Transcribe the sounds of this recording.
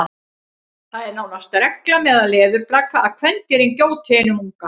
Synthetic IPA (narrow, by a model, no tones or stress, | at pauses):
θaðɛɾnaːwnast̪ɾɛklamɛðaðlɛːðʏɾplaːkaːðkʰvɛnt̪ɛɾɪncoːwt̪ʰɛnʏmuŋka